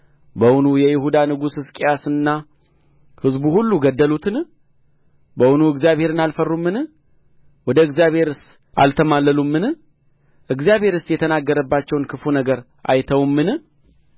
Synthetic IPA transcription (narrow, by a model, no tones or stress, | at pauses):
bəwʊnujɛjɪhud̪anɨɡusɨskʼijasɨnːa | hɨzbuhulːuɡəd̪ːəlut̪ʰɨn | bəwʊnuɨɡzjaβhe̞ɾɨnalfərːumːɨnɨ | wɔd̪əɨɡzjaβhe̞ɾɨs | ʔa̰lt̪ʰəmalːəlumːɨnɨ | ʔɨɡzijaβhe̞ɾɨst̪jɛt̪ʰənaɡːəɾəbːat͡ʃːɛwnkʰɨfunəɡəɾ | ʔa̰jt̪ʰəwmːɨnɨ